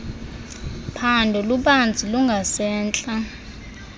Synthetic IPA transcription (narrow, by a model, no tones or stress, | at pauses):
pʰandʱɔluɓand͡zʱʼiluŋɡʱasɛːnt͡ɬʼa